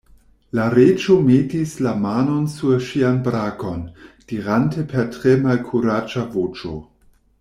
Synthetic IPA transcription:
laɾet͡ʃometislamano̞nsuɾʃianbɾako̞nd̥iɾantepʰeɾtɾemalkʰuɾad͡ʒavot͡ʃo̰

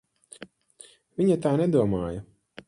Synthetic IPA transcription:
vʲiɲat̪aːnɛd̪uɔmaːjɐ

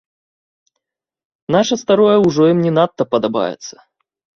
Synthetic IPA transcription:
naʂɐst̪aɾɔjɐwʐɔjimnʲɛnat̪ːɐpɐd̪aba̰jɛ̰t̪sːɐ̥

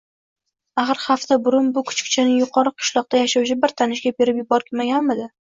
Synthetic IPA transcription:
aχɨɾχaft̪abʊɾʊnbʊkʰʊ̥t͡ʃkʲɪ̥t͡ʃʰanɪjʊqʰɒɾɨqʰʊ̥ʃlˠɒq̚t̪ajaʃawt͡ʃʰɪbɪɾt̪ʰanɪʃɡʲabe̞ɾɪpjɪbɒɾkʲʰɪmaɡʲanmɪd̪ɪ

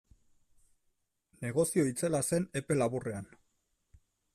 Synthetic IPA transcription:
ne̞ɣ̞o̞sio̞it͡se̞lase̞ne̞pe̞laβure̞an

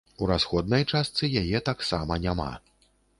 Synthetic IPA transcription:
uɾasxɔd̪̚nɐjt͡ʂast̪sɨjajɛt̪aksamɐnʲama̰

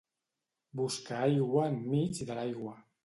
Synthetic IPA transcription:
buskaajɣwammit͡sðəlajɣwa

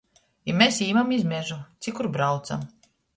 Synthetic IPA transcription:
imʲesiːmamizmʲɛʒut̪sʲikuɾbɾawt̪sa̰m

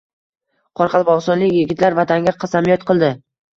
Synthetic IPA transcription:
qʰɒɾqʰɑlˠbɒʁsɒnlɪkʲjɪɡʲɪt̪laɾvat̪ʰaŋɡʲaqʰɑsamijɒt̪qʰɨlˠd̪ɪ

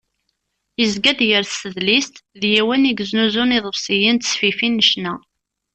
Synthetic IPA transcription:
jəzɡæd̪jəɾθsəðlist̪ðjæwæniɡznuzuniðˤəfsijənt̪sfifinːəʃnæ

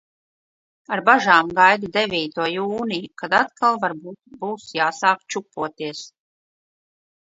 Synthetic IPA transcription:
aɾbaʒaːmɡajd̪ud̪evʲiːt̪uɔjuːnijukad̪at̪kʰalˠvaɾbuːt̪̚buːsjaːsaːkt͡ʃupːuɔt̪iɛs

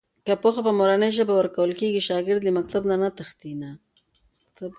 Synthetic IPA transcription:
kapoxapəmoɾanəjʒəbawəɾkawəlkeɡiʃɑɡɪɾd̪limak̚t̪abnanat̪axt̪ina | t̪

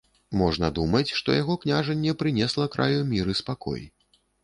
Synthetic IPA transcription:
mɔʐnɐd̪umɐt͡sʲʂt̪ɔ̰jaɣɔknʲaʐɐnʲːɛpɾɨnʲɛslˠɐkɾa̰jumʲiɾɨspakɔ̰j

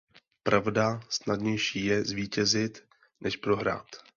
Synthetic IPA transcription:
pɾavdasnadɲɛjʃiːjɛzviːcɛzɪt̪ | nʔɛʃpɾo̞ɦɾa̰ːt̪

